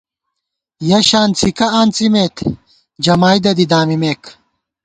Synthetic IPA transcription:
jɐɕaːnt͡sʰikɐaːnt͡simet̪ʰ | d͡ʑɐmaːjd̪ɐd̪id̪aːmimeːk

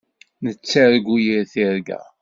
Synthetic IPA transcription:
nət͡sːæɾɡʷujiɾθiɾɡæ̰

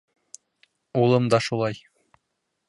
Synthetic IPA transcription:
ulˠɤmd̪ɑʃulˠɑj

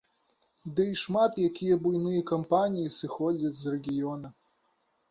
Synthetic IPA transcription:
d̪ɨiʂmat̪jakʲijɐbujnɨjɐkɐmpanʲijisɨxɔd͡zʲɐt͡sʲzrɛɡʲijɔnɐ

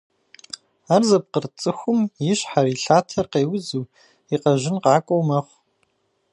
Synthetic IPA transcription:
aːrzɐp̚qərt͡sʼɨxʷʊmjɪɕħaɾiːɬaːtʰɐrqeːwʊzuː | iqɐʒɪnqɑːkʷʼowmɐχʷ

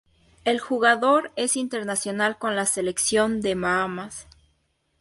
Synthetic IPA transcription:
elxuɣaðo̞ɾe̞sint̪e̞ɾnasjo̞nalko̞nlase̞le̞ksjo̞nd̪e̞mamas

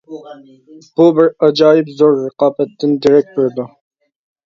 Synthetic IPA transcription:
b̥ubɪɾɑd͡ʒɑːjɪpzoɾɨqɑːbɛt̪ːɪnd̪iɾɛk̚t̪eɾd̪ʊ

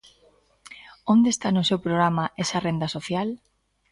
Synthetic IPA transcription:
ond̪est̪anʊsewpɾoɣɾamaʔesarend̪asoθjal

